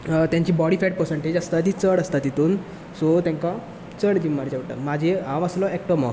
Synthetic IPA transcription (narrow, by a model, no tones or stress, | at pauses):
t̪jãɲt͡ɕiːbɔɽifɛʈ̚pəɾsəɳʈed͡ʑast̪at̪it͡səɽəst̪at̪it̪uːn | sot̪jãŋkã | t͡səɽd͡ʑimːaɾd͡ʑaʋʈə̰mad͡ʑʱeaʋaslɔɛk̚ʈɔmɔ̰s